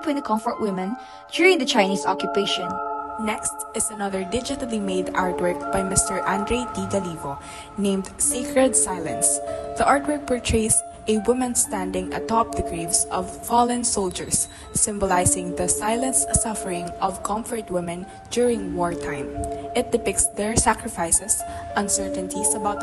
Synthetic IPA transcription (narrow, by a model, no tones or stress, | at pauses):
pʰwɪ̃nd̪əkʰʌ̃ɱfɔɹt̚wɪ̃mɛ̃n | d͡ʒjʊɹɪ̃ŋd̪ət͡ʃaɪniːsɔkjʊpeɪʃɔ̃nnɛkst̪ɪsɐnʌðəɹd̪ɪd͡ʒɪt̪əlimeɪd̪aɹt̪wɛɹk̚b̥ajmɪst̪əɹʔãnd̪ɹeɪd̪iɡalivo | nẽɪ̃md̪sekɹɛd̪saɪlɐ̰̃nsðiʔaɹt̪wɛɹk̚pəɹtʰɹes | ʔɛwɪmə̃nst̪æ̃nd̪ɪ̃ŋɐ̰t̪ɔp̚ðəɡɹivsɔvfɔlɛ̃nsoʊld͡ʒɛ̰ɹsː | ɪ̃mbɔlaɪsɪ̃ŋðɐsajlɐ̃nssʌfəɹɪ̃ŋɔvkʰʌ̃mfəɹt̪̚wɪmɛ̃n | d͡ʒʊɹɪ̃ŋwɔɹt̪ʰãɪ̃mʔɪt̪̚d̪ɪpɪk̚tsd̪ɛɹsækɹɪfaɪsɛsʔʌ̃nsɛɹt̪ɛ̃nt̪isɐbaʊt̪̚